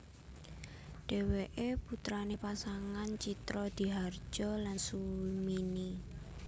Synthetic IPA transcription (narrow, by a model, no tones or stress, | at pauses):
ɖ̥e̤weʔeput̪ɾanepasaŋant͡ʃit̪ɾɔd̪̥i̤ɦar̥ʒ̥ɔ̤lansumini